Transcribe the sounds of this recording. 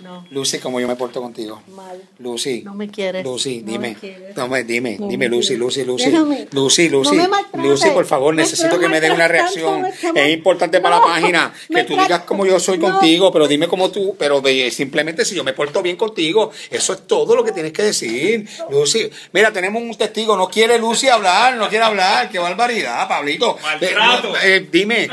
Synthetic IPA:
nlusikomoʝo̞mepo̞ɾt̪okont̪iɣo | lusieɾlusid̪imet̪omed̪imḛd̪imelusilusilusilusilusilusipo̞ɾfaβo̞ɾnesesit̪okemeðeunare̞aksjo̞ŋesimpo̞ɾt̪ãnt̪epaɾlapahina | ke̞t̪uðiɣaskomoʝoso̞jko̞nt̪iɣo̞pe̞ɾoðimeko̞mot̪upe̞ɾo̞ðesimple̞mẽnt̪e̞siʝo̞mepo̞ɾt̪o̞βje̞ŋko̞nt̪iɣo̞e̞so̞e̞st̪o̞ðo̞lo̞ke̞t̪jeneske̞ðe̞siɾlusi | miɾat̪e̞ne̞mosunt̪est̪iɣo̞no̞kje̞ɾe̞lusiaβlaɾnokje̞ɾeaβlaɾkeβaɾβaɾiðapaβlit̪o̞ | ed̪ime̞

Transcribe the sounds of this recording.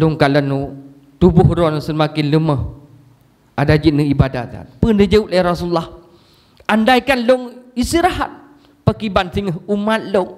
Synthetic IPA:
lʊŋkalənu | t̪ubʊhɾɔnsəmakɪnləməh | adad͡ʒit̪̚nəibada̰t̪a̰npəndəd͡ʒəuʔlaɾasulːah | andajkanlʊŋist̪iɾaɦa̰t̪̚ | pəkibansiŋəɦumat̪̚loŋ

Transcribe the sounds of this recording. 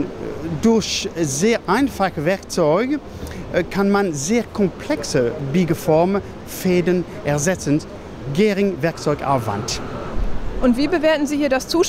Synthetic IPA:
dʊɐçzeːɐʔaɪnfaχəvɛɐk̚t͡sɔʏɡə | kʰanmanzeːkʰɔmpʰl̥ɛksəbiːɡəfɔɐm | feːdən | ʔɛɐzɛt͡sən | ɡeːʁɪŋvɛɐk̚t͡sɔʏɡʔa̰ʊva̰nt | ʔʊntv̥iːbəveːɐtn̩ziːhiːɐdast͡suːʃ

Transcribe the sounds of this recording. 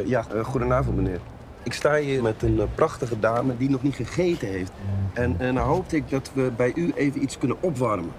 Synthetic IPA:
jaχudənaːvɔn̩tmənɪər | ɪkstaːiəmɛtənprʔɑxtəɣədaːmədinɔχniəχeːtəɦeːftɛndaɦoːp̚tɪk̚dɔtʋəbɛjʔyʔeːvənit͡skɵnənɔpʋarmə

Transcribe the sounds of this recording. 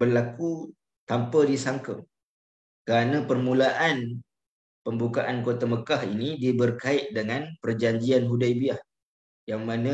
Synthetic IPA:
bərlaku | t̪ampədisaŋkəm | kəɾanə̃pərmũlaʔan | pəmbukaʔankot̪aməkahinidibərkaɪʔ̪̚dəŋanpərd͡ʒaɲd͡ʒianɦudajbiah | jaŋmanə

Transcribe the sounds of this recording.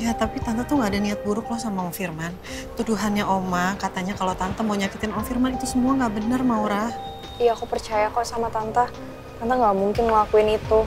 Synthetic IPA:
jat̪apit̪ant̪at̪uŋɡaːdaniat̪̚buɾʊklɔhsamaɔŋfirman | t̪uduɦanɲaʔomakat̪aɲakalot̪ant̪amoɲakit̪ɪnɔŋfirmanit̪usəmuaŋɡaʔbənərmauɾah | ijaːkupərt͡ʃajakasamat̪ant̪a | t̪ant̪aŋɡaʔmuŋkɪnməlakuɪnit̪u

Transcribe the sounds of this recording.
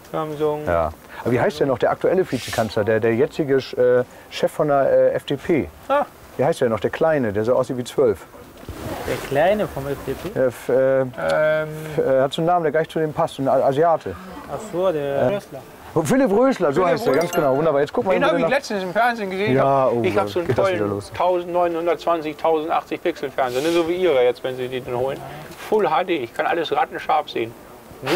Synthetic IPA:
zamzʊŋja̰ː | ʔabɐviːɦaɪstd̥ɛnːɔχd̥eːɐʔaktuɛləfiːt͡sə̥kʰanslɐdeːɐdeːɐjɛt͡sɪɡəʔɛː | ʃɛfːɔndeɐʔɛːʔɛfd̥eːpʰeːa | viːhaɪstd̥eːnɔχd̥eːɐkʰl̥aɪnədeːɐzoʔaʊs̬iːtviːt͡sv̥œlf | d̥eːɐkl̥aɪnəfɔmɛfd̥epʰeɛɐʔɛːɛ | ɛhatz̥oːnaːməndeːɐɡlaɪçt͡sudeːmpʰastnaziaːtʰə | ʔaχz̥oːdeːɐʔɛslɐ | fɪlɪpʁøːslɐzoːhaɪstd̥eːɐɡansɡ̥ənaʊvʊndɐbaɐjɛt͡skʊk̚tmanhaːlɛt͡stn̩sɪmfɛɐnzeːnɡəzeːnjaːʔoɪçhaːz̥oːnɡeːtdaɔsliːdɐloːstʰaʊzn̩tnɔʏnhʊndɐt̚t͡sv̥ant͡sɪçtʰaʊzn̩tʔa̰χt͡sɪçpʰɪksl̩fɛɐnzeːɐnəzoːviːʔiːʁɐjɛt͡stvɛnziːdiːdanhoːlənfʊlɦaːdeːɪçkʰanʔa̰ləsʁatn̩ʃaɐfz̥ḛːən

